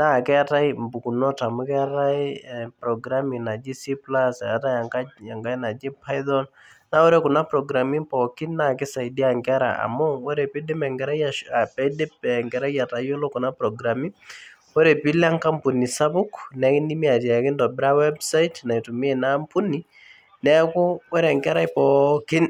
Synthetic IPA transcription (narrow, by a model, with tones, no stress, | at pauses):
na˦˨kɛ˦a˦ta˦ɪ˦mbu˨ku˨nɔ˦ta˨mʊ˦kɛ˦ta˦ɪ˦pɾɔ˨ɡɾa˦mi˨na˨d͡ʒi˦si˦pla˦sa˨ta˦ja˨ŋka˦ja˨ŋɡa˦na˨d͡ʒi˦pa˦jðɔ˦n | na˦wɔ˦ɾe˦kʊ˨na˦pɾɔ˨ɡɾa˨mi˦pɔ˨kɪ˦na˦˨kɪ˦sa˨ɪ˨di˦a˨ŋkɛ˦ɾa̰˨ʔa̰˨mʊ˦ɔ˦ɾe˨pi˦dɪ˦mɛ˨ŋɡɛ˨ɾa˦jaa˨pɛ˦dɪ˦pɛ˨ŋɡɛ˨ɾa˦ja˨ta˨jo˦lo˦kʊ˨na˦pɾɔ˨ɡɾa˨mi˦ | wo˦ɾe˨pi˦la˦ŋka˦mpu˨ni˨sa˦bʊ˦knɛ˨˦kɪ˦ndi˦mi˦a˨ta˨kɪ˦ndɔ˨bɾa˦wɛ˦bsa˦ɪtna˨i˨tu˨m˦e˦na˦mpʊ˦ni | nɛ˦kʊ˦wɔ˦ɾɛ˨ŋkɛ˦ɾa˦ɪpɔkɪ˦n